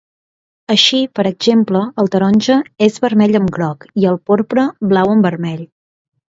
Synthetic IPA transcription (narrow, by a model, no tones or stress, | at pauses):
əʃipəɾəɡz̥empləːlˠt̪əɾɔnʲʒəezβəɾmɛʎəmɡɾɔkiəlˠpoɾpɾəβlawəmbəɾmɛʎ